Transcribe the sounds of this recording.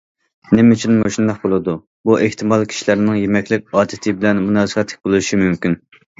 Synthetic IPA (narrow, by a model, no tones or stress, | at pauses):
nɪmyt͡ʃʰynmoʃund̪ɑq̚bolˠɨd̪u | buʔeht̪ʰɨmɑlˠkʲʰi̥ʃilæɾnɪŋjemɛkʲlɪkʲɑːd̪ɪt̪ʰɪbɪlɛnmunɑːzəqɑt̪ʰːɪ̥k̚ʲbolˠuʃimymkʲyn